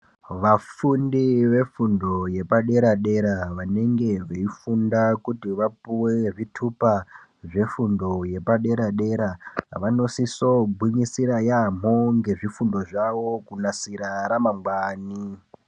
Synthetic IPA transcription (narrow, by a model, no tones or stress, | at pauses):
ʋafundiʋe̞fundo̞je̞paɗe̞ɾaɗe̞ɾaʋane̞ŋɡe̞ʋeifundakutiʋapuweʐitʰupa | ʐe̞fundo̞je̞paɗe̞ɾaɗe̞ɾaʋano̞sisobʱwuɲisiɾajam̤oŋɡe̞ʐifundo̞ʐaʋo̞kunasiɾaɾamaŋɡwaːni